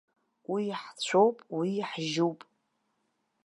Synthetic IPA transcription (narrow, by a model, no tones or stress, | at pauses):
wiħt͡ɕʷʰowpʼwiħʒuwpʼ